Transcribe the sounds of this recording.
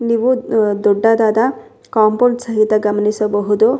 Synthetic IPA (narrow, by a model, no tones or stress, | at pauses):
nibud̪oɖːad̪ad̪a | kɔmpɔɾsəɦit̪aɡamnisɔbɔɦud̪ɔ